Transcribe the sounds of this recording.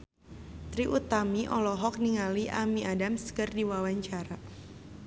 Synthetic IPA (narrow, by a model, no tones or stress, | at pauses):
t̪ɾiʔut̪amiʔɔlɔɦɔk̚niŋaliʔamiʔadamskərdiwawaɲt͡ʃaɾa